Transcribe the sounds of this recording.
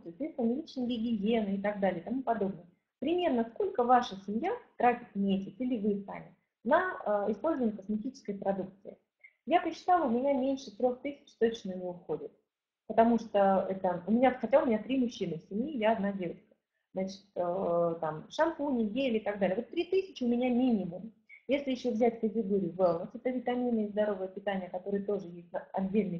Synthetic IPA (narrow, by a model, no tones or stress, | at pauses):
t̪t̪ismʲɪlʲit͡ɕnəɡʲɪɡʲɪjʲenɨɪt̪ɐɡ̚d̪alʲɪət̪ɐmupɐd̪o̞b̚nəjə | pɾʲɪmʲe̞rnəsko̞lʲkəvaʂəsʲɪmʲjat̪ɾatʲɪt̪mʲesʲɪt̪silʲɪvɨsa̰mʲɪ | nəɪspo̞lʲzəvənʲɪəkəsmʲɪtʲit͡ɕɪ̥skəjpɾɐd̪uk̚t̪sɨɪ | japəɕːɪ̥t̪alˠəʊmʲɪnʲamʲenʲʂɨt̪ɾʲo̞xt̪ɨsʲɪ̥t͡ɕt̪onəjɪvʲoʊxodʲɪt̪̚ | pət̪ɐmuʂt̪oɛt̪əʊmʲɪnʲaxɐtʲaʊmʲnʲat̪ɾʲimʊɕːinɨfsʲɪmʲjijaɐːd̪nadʲe̞vət͡ɕkə̥ | znat͡ɕɪ̥t̪ət̪amʂɐmpunʲɪɡʲelʲɪɪt̪ɐɡd̪alʲɪjəvo̞t̪ːɾʲit̪isʲɪt͡ɕɪʊmʲɪnʲamʲinʲɪmʊmjesʲlʲɪjɪɕːovzʲætʲkətʲɪɡo̞ɾʲɪjʊvɛlˠnəsɛt̪əvʲɪt̪ɐmʲinɨɪzd̪ɐɾo̞vəjəpʲɪt̪anʲɪjəkɐt̪o̞ɾɨjət̪o̞ʐɨjesʲtʲnɐdʲːelʲnɨj